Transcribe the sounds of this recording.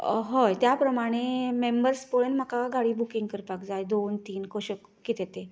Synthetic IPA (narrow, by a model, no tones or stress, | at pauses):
ɦojt̪japɾəmaɽ̃emembəɾspoɭənm̤akaɡaɽiːbukiŋɡkəɾpakd͡zajd̪ont̪iːnkoɕək | kːit̪et̪e